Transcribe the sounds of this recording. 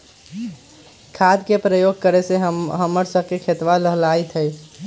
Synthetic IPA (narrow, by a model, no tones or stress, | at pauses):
kʰad̪kepɾəjoɡ̚ʱkəɾeseɦəmːəɾsəb̚kekʰet̪ʋaɾəɦlait̪ɦəj